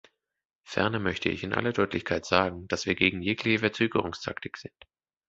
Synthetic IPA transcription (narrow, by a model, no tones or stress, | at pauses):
fɛ̰ɐnɐmœçtʰəɪ̰çɪnʔa̰lɐdɔʏtlɪçkʰaɪtz̥aːɡŋ̩d̥asv̥iːɐɡeːɡŋ̩jeːklɪçəfɛɐt͡søːɡəʁ̞ʊŋstʰa̰ktɪkz̥ɪnt